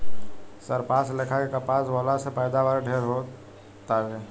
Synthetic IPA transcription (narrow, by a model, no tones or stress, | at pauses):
səɾpaːslɪkʰakekapaːswɔːlasepɛːd̪aʋaɾɖʱeːɾɦo | t̪aɦeː